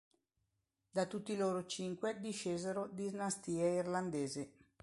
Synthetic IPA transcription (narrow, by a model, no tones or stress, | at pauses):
d̪at̪ut̪ːiloːɾot͡ʃiŋkwed̪iʃːeːzeɾod̪iznast̪iːeirland̪eːzi